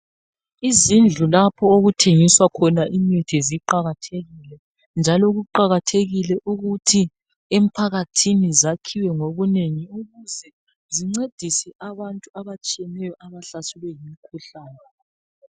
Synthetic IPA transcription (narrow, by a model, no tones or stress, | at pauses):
izind͡ɮʱulapʰɔoɣutʰeŋiswakʰɔnaʔimitʰiziǃaɣatʰeɣilɛ | nd͡ʒʱalɔɣuǃaɣatʰeɣilɛʔuɣutʰi | em̩pʰaɣatʰinizakʰiwɛŋoβuneŋiuɣuzɛ | ziŋ͡ǀed̥ʱisɛʔaβantʼuaβat͡ʃʼiɛnɛjɔʔaβaɬasɛlwɛjimikʰuɬaːnɛ